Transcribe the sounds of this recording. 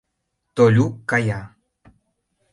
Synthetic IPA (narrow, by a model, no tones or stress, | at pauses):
t̪oʎukaja